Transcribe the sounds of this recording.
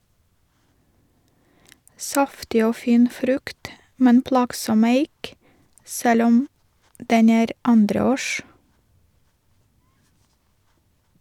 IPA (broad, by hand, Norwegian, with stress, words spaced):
ˈsɑftɪ ˈoː ˈfiːn ˈfɾʉkt ˈmɛn ˈplɑːɡsɔm ˈæɪk ˈsɛl ˈɔm ˈdɛn ˈæːɾ ˈɑndɾəˌoːʃ